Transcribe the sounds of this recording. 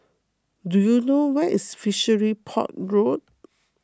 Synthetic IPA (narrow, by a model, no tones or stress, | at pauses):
dujunowɛʔisfiʃəɹipʰɔ̰t̚ɹot̚